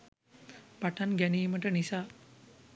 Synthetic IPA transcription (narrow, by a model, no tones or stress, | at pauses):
paʈʰanɡaniməʈənisa